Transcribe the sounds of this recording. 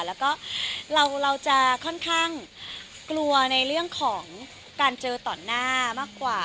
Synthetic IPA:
lɛː˦˥wkɔː˥˩ɾa˧wɾa˧wt͡ɕa˨˩kʰɔ˥˩nkʰaː˥˩ŋ | klu˧ɐna˧jɾɯ˥˩əŋkʰɔː˩˦ŋ | kaː˧nt͡ɕɤː˧t̪ɔː˨˩nːaː˥˩maː˥˩kwaː˨˩

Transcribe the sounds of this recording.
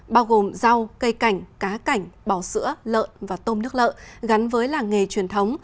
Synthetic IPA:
ɓaː˧wɣo˨˩mza˧wkə˧jka˧˩jŋ̟kaː˨˦ka˧˩jŋ̟ɓaː˧˩wsɨ̰˧˥ələ̰ː˧˨nvaː˨˩t̪o˧mnɨ˦˥ək̚lə̰ː˧˨ɣa˨˦nvəː˨˦jlaː˨˩ŋe˨˩t͡ɕwi˨˩ənt̪ʰə˨˦wŋ͡m

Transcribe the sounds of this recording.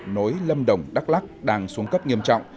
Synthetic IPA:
nɔ˨˦jlə˧mɗə˨˩wŋ͡mɗa˦˥k̚la˦˥k̚ɗaː˧ŋsu˨˦əŋkə˦˥p̚ɲi˧əmt͡ɕɔ̰˧˨wŋ͡m

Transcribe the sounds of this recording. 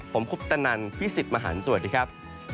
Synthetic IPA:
pʰo˩˦mkʰu˦˥p̚t̪a˧na˧npʰiː˦˥˩si˨˩t̪̚maː˧ɦa̰ː˩˦nsu˨˩ət̚diː˧˩kʰa˦˥p̚

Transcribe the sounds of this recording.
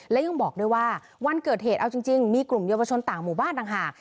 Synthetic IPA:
lɛː˦˥ja˧ŋbɔː˨˩k̚du˦˥˩jwaː˥˩ | wa˧nkɤː˨˩t̪̚heː˨˩t̪̚ʔa˧wt͡ɕi˧ŋt͡ɕi˧ŋmiː˧klu˨˩mjaː˧wa˧t͡ɕʰo˧nt̪aː˨˩ŋmuː˨˩baː˥˩nt̪aː˨˩ŋɦaː˨˩k̚

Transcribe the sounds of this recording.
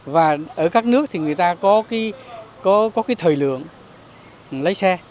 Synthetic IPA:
vaː˨˩ʔəː˧˩kaː˦˥k̚nɨ˦˥ək̚t̪ʰi˨˩ŋɨ˨˩əjt̪aː˧kɔ˨˦ka˨˦kɔ˨˦kɔ˨˦kaː˨˦jt̪ʰəː˨˩jlɨ̰˧˨əŋ | lə˨˦jsɛ˧

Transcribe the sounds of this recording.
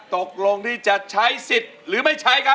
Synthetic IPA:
t̪o˨˩k̚lo˧ŋt̪ʰiː˥˩t͡ɕa˨˩ʔt͡ɕʰa˦˥jsi˨˩t̪̚ɾɯː˩˦ma˥˩jt͡ɕʰa˦˥jkʰa˦˥

